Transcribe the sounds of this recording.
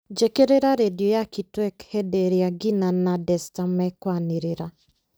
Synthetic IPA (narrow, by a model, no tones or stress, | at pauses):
d͡ʒekeɾeɾaɾediɔjakitwɛkhɛdeɾiaɡinanadɛstamɛkwaneɾeɾa